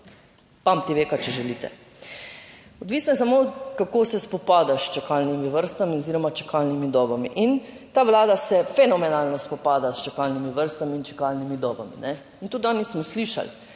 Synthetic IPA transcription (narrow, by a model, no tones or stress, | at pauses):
pamt̪iʋeːkat͡ʃɛʒɛliːt̪ɛ̰ | ɔd̪ʋiːsnɔjɛsamot̪kakoːsɛspɔpaːd̪aʃt͡ʃɛkalnimiʋəɾst̪amioziɾɔmat͡ʃɛ̥kalnimid̪ɔbamḭʔint̪aʋlaːd̪asɛfɛnɔmɛnalnɔspɔpaːd̪ast͡ʃɛkalnimiʋəɾst̪amiːnt͡ʃɛ̥kalnimid̪ɔːbamḭnɛ | int̪ut̪anismɔsliʃa̰l